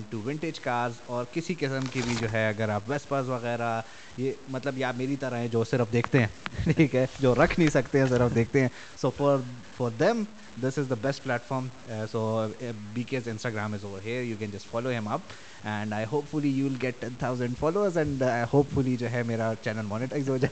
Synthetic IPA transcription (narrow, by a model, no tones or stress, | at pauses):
ɪ̃nʈuʋɪ̃ɳʈed͡ʒkaːɾɖzɔːɾkɪsikɪsə̃mkibʱid͡ʒoːɦɛɐɡəɾaːpʋɛspəɾzʋɐɣɛːɾa | jeːmɐt̪ləbjeaːpmeːɾit̪ɐɾaɦɛ̃d͡ʒoːsɪɾəfd̪eːkʰt̪eɦɛ̃ːʈʰiːkɦɛd͡ʒoːɾɐkʰnĩsɐkt̪ẽɦɛ̃s̬ɪɾəfd̪eːk̚t̪ẽɦɛ̃ | soːfɔɾ | fɔɾd̪ɛ̃m | d̪ɪsɪzd̪əbɛsʈ̚plæːʈfɔːɾm | soːbiːkezɪ̃nsʈaɡɾãːmɪzoːɾɦiɾjuːkɛ̃nd͡ʒɐsʈfɔːloɦɪ̃mɐp̚ | ɛ̃ɳɖaɪɦoːpfʊlijuːʋɪlɡɛʈːɛ̃nt̪ʰaʊzə̃ɳɖfɔːloːəɾzɛ̃ɳɖaɪhoːpfʊlid͡ʒoːɦɛmeːɾat͡ʃɛnəlmɔːnɪʈaɪzoːd͡ʒa